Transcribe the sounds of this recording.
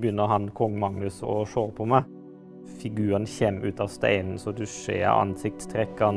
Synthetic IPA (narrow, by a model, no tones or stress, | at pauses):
bjʏnːəɦɑnkʰɔŋːmɑŋnʉsɔ̰ʂoːɾpʰɔmɛ | fɪɡʉːɾənçɛmʉːt̪ɑʋst̪æ̰ɪnn̩sɔd̪ʉʂḛːɑ̰nsɪk̚t̪t̪ʰɾɛkːən